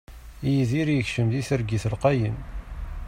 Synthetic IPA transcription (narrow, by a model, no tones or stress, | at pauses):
ijiðiɾjəçʃəmðiθəɾɡiθəlqɑjəm